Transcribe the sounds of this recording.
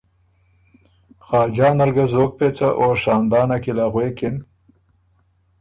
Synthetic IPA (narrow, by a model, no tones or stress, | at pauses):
xɑːd͡ʒɑːnaɾɡazoːk̚pet͡saʔoːʂɑːnd̪ɑːnakilaɣwekɪn